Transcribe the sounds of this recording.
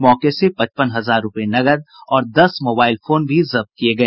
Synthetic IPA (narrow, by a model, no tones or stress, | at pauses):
mɔːkesepɐ̃t͡ʃpənɦɐzaːɾːʊpenɐɡəd̪̚ɔːɾd̪ɐsmoːbaːɪlfʰoːnbʱizɐb̚t̪̚kieɡɐeː